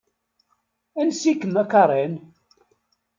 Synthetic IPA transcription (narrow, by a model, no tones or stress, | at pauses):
ænsikːəmækɑɾˤen